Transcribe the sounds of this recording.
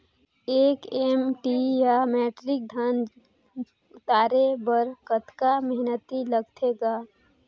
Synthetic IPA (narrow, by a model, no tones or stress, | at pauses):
eːkemʈijameːʈɾɪk̚d̪ʱan | ʊt̪aːɾebəɾkət̪kamɛɦnət̪iləɡt̪ʰeɡaː